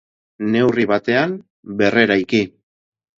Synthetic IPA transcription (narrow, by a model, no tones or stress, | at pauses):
ne̞wriβat̪e̞am | be̞re̞ɾajki